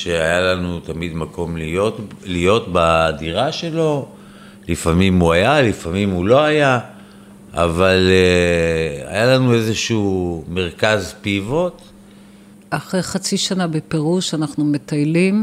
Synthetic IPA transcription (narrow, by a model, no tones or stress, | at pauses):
ʃeajalanut̪amid̪makʰo̞mliolijo̞t̪baːdiʁaʃe̞lo̞ | lifamimuajalifamimulo̞aja | a̰vale | a̰jalanue̞zeʃume̞ʁkazpivo̞t̪ | ʔaχʁejχat͡siʃanabepeʁuʃanaχnumet̪ajlim